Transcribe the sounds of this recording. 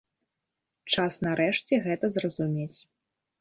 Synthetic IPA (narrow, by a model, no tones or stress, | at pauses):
t͡ʂasnaɾɛʂt͡sʲɛɣɛt̪ɐzrɐzumʲet͡sʲ